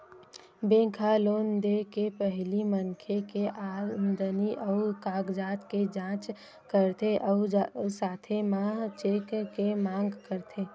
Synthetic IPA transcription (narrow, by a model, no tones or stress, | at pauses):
bẽkʰaloːnd̪ekepəɦlimənkʰekeʔand̪əniʔɔʊkaːɡd͡ʒaːt̪ked͡ʒãːt͡ʃ | kəɾt̪ʰeʔɔsaːt̪ʰemaɦt͡ʃekkemãːŋɡkəɾt̪ʰe